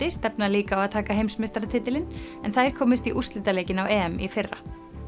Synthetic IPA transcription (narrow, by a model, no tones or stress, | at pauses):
ɪst̪ɛpnaliːkaawaðt̪ʰaːkaɦejmsmɪst̪aɾat̪ʰɪːt̪ɪlɪnɛnθaɾ̥kʰɔːmɪst̪iʔust̪lɪːt̪aleːjcɪnawɛːɛmifɪrːa̰